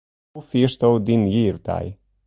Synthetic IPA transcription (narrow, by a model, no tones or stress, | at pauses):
ufiʃt̪owd̪injiɾd̪a̰j